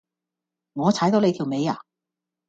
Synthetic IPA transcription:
ŋɔː˨˧t͡sʰaː˨˥jt̪o˨˧wle˧t̪ʰi˨˩wme˨˧ja̰ː˨˩

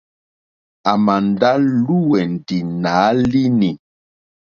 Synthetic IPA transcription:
a˨ma˨n˨da˦lu˦wɛ˨n̩˨ti˨na˨˦li˦ni˨

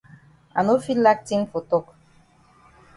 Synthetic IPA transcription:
a̰˨no˦fi˦la˦k̚ti˦ŋfo˨to˦˨k

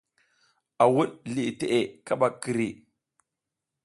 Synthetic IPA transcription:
a˨wu˦ɗɮi˨te˦ʔe˨ka˦ɓa˨ki˨ɾi˨

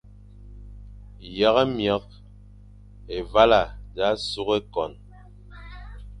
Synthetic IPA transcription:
ja˨˦ɣɛ˦mja˨˦k̚ | e˨va˦la˨da˨˦su˦ɣe˦kɔ˨n

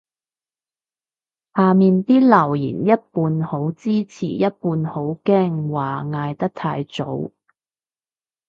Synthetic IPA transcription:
haː˨miː˨nt̪iː˥lɐ˨˩wjḭː˨˩njɐ˥t̚puː˧nho˨˥wt͡siː˥t͡sʰḭː˨˩jɐ˥t̚puː˧nho˨˥wkɛː˥˩ŋwaː˨ŋaː˧jt̪ɐ˥k̚t̪ʰa̰ː˧jt͡so̰˨˥w

